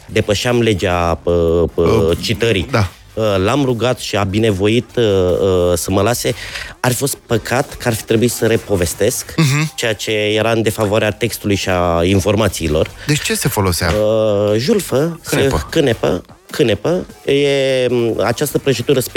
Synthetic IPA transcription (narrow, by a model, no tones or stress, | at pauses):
d̪e̞pəʃeamle̞d͡ʒeaə | t͡ʃit̪əɾid̪a | əlamruɡat̪ʃiabine̞vo̞it̪əsəməlase̞arfifo̞st̪̚pəkʰat̪kəarfi̥t̪ɾe̞buit̪səɾe̞po̞ve̞st̪e̞skt͡ʃe̞jat͡ʃe̞je̞ɾand̪e̞favoaɾeat̪e̞kst̪ulujʃiainfo̞rmat̪siːlo̞̰rd̪et͡ʃesefo̞lo̞sea̰ʒulfəsekɨnepə̰ | kɨnepəje̞ | a̰t͡ʃast̪əpɾo̞t͡ʃed̪uɾəsp